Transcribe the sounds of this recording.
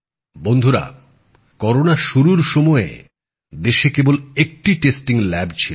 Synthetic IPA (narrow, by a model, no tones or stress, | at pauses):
bond̪ʱuɾa̰ | kɔɾonaʃuɾuɾʃɔmɔe | d̪eʃekebolek̚ʈiʈesʈiŋlɛbt͡ɕʰil